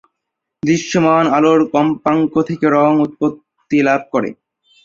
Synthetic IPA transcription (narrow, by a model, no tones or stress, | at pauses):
d̪ɾiʃːomanaloɾkɔmpaŋkot̪ʰekeɾɔŋut̪̚pot̪ːilab̚ʱkɔɾḛ